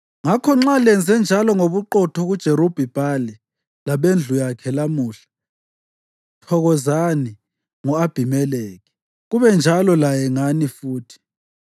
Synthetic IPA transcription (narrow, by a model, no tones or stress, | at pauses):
ŋakʰɔŋ͡ǁalɛnd͡zʱɛnd͡ʒʱalɔŋoβuǃɔtʰɔɣud̥ʒ̥ʱeɾob̥ʱib̥ʱalɛ | laβend͡ɮʱujakʰɛlamuːɬḁ | tʰɔɣɔzani | ŋɔab̥ʱimɛleːɣi̥ | ɣuβɛnd͡ʒʱalɔlajɛŋanifuːtʰi̥